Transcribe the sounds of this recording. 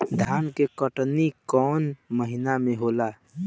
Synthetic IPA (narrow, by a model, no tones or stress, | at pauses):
d̪ʱaːnkekəʈnikɔːnməɦɪnamẽɦoːla